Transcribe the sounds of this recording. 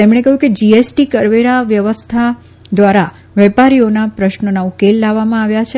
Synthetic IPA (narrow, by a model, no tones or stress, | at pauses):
t̪emɽ̃ekəɦjũked͡ʒiesʈikəɾʋeɾaʋjəʋəst̪ʰa | d̪ʋaɾa | ʋɛpaɾionapɾəʃnonaukelːaʋːamãaʋjat͡ʃʰe